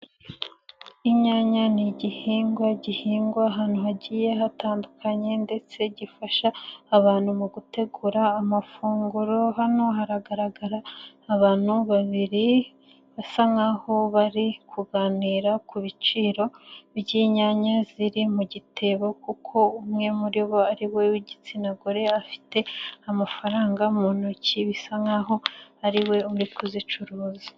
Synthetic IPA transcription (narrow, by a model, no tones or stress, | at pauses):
iɲaːɲaniɟihiːŋɡwaɟihiːŋɡwaɦaːn̥uɦaɟiːje̞ɦataːndukʰaɲe̞nde̞t͡se̞ɟifaʃaːβaːn̥humuɡute̞ɡuɾaːmafuːŋɡuɾo̞ɦanoɦaɾaɡaɾaɡaɾaː | βaːn̥huβaβiɾi | βasaŋaho̞βaɾikʰuɡaːniːɾakuβit͡ʃiːɾo̞βɟiːɲaɲaziɾimuɟitʰe̞βo̞kukʰo̞umŋe̞muɾiβo̞aɾiwe̞uɟit͡sinaɡo̞ɾe̞afi̥te̞amafaɾaːŋɡamonociβisaŋaɦo̞aɾiwe̞uɾikuzit͡ʃuɾuːzi